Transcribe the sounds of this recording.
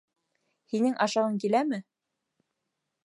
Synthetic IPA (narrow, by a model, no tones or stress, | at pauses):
hinɘŋʔɑʃɑʁɤŋkilæmɘ